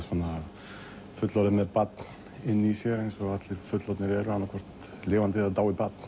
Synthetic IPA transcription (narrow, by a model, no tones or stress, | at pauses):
tfanːa | fʏt̪lalʏmɛðpat̪n | ɪnːisjɛɾɛjnsɔɣat̪lɪɾfʏt̪lat̪nɪɾɛɾʏanːakʰvɔr̥t̪ | lɪːvant̪̬ɪðaðt̪aːwipat̪n̥